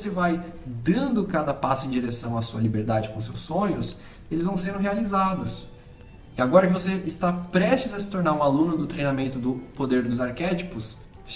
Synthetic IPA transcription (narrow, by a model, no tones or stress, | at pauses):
sevajd̪ɐ̃nd̪ʊkad̪ɐpasʊẽd͡ʒiɾesɐ̃w̃ɐsuɐlibeɾd̪ad͡ʒɪkõsewsːõɲʊs | elɪzvɐ̃w̃seɾ̃ɦealizad̪ʊs | ɪaɡɔɾɐkɪvoseɪst̪apɾɛʃt͡ʃɪzɐsɪ̥t̪oɾnaɾũalũnʊd̪ʊt̪ɾejnamẽnt̪ʊd̪ʊpod̪eɾd̪ʊzaɾkɛt͡ʃipʊs